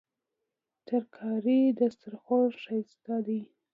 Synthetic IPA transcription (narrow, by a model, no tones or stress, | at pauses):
t̪əɾkʰɑɾid̪ast̪aɾxoʃajst̪ɑd̪i